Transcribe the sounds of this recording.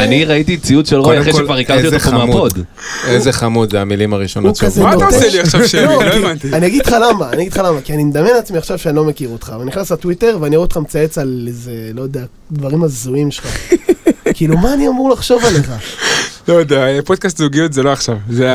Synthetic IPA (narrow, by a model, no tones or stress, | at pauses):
aniʁait̪it͡siud̪ʃelʁoaʁeʃelvaʁikaʁetiotzammpod̪ | ezeχamut̪zeamilimaʁiʃonoukazetaseliaχʃavʃelloevant̪ianiaɡid̥̪χalamaːniaɡid̪̥χalamakianimed̪amjenat͡smiaχʃavʃeanilo̞me̞kiʁot̪χaveniχnaslatwite̞ʁveaniaʁuot̪χamt͡sae̞t͡salezelo̞jod̪ea | d̪vaʁimazuimʃela | kiːlumaːniamuʁlaχʃo̞vale̞χalojod̪eaepod̪̚kast̪zuɡijot̪zeloaχʃavze